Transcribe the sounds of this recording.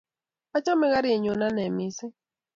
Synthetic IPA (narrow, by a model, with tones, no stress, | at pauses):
a˦t͡ʃɔ˦mɛ˦ɣa˦ɾɪ˦e˨ɲo˨na˦nɛ˨mɪ˦sɪ˦